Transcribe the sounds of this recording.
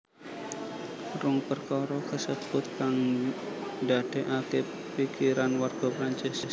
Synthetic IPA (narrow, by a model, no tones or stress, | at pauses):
rʊŋpərkɔɾɔkəsəb̥ʊt̪̚kaŋ | dad̥ɛʔakɪpː | ikiɾanwarɡ̥ɔ̤pɾaɲt͡ʃɪs